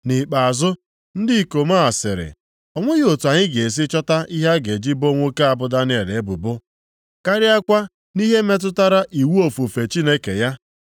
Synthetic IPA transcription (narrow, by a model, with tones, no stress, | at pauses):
nɪ˨k͡pa˨a˨zʊ˦ | n̩˦dɪ˦˨ko˨ma˦˨sɪ˨ɾɪ̰˨ | ɔ˨ŋʷʊ˦ɣɪ˦o˨tu˨a˨ɲɪ˦ɡe˨e˨s̬ɪ˦t͡ʃɔ˦ta˦i˦ɦa˦ɡe˨d͡ʒi˦bo˦ŋʷo˦ke˦a˨bʊ˦da˦n˦e˨ɾe˨e˦bʊ̰˨bʊ˦ | ka˦ɾɪ˦a˦kʷa˦ | ni˦ɦe˦me˦t̬ʊ˦ta˦ɾa˦ʔi˨wu˦o˨fu˨fe˨t͡ʃi˦ne˦kḛ˨ja˦